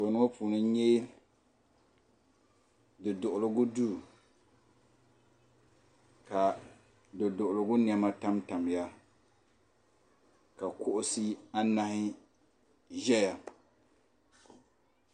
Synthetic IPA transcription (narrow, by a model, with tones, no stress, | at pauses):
fo˨nʊ˦o˦pʰuː˨nɨ˦ɲɛ˦ | dɨ˨dʊ˨ʔʊ˨lʊ˦ɡʊ˦du˦˨ | ka˨ | dɨ˨dʊ˨ʔʊ˨lʊ˨ɡʊ˦n˨ɛ˨ma˦ta˦mta˨m˨ja˦ | ka˨kʊ˦ʔʊ˦sɪ˦a˦na˦hɪ˦ | ʒɛ˦ja˨